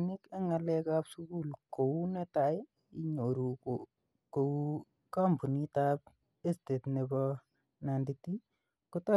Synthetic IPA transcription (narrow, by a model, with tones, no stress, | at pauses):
ni˦ke˦ŋa˨lɛ˦kapsuku˦lko˨wu˦ne˦ta˨ɪ | i˦ɲo˨ɾu˨ko | ko˨wu | ka˦mbu˨ni˦ta˦p̚ | e˦ste˨tne˨bɔ | na˨nditi˦ | kotɔ˦